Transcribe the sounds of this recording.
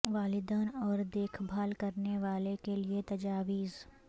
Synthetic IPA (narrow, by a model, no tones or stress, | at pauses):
ʋaːlɪd̪əːnɔːɾd̪eːkʰbʱaːlkɐɾneʋaːlekeliet̪ɐd͡ʒaːʋiːz